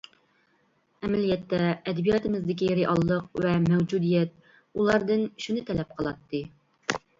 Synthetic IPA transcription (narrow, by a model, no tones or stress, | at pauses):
ɛmɛlijɛt̪ːɛːd̪ɪbijɑt̪ɨmɪzd̪ɪkʲiɾiʔɑlˠːəqvɛmɛwd͡ʒud̪ijɛt̪̚ | ulˠɑɾd̪ɨnʃunɨt̪ʰɛlɛp̚qʰəlˠɑt̪ːɨ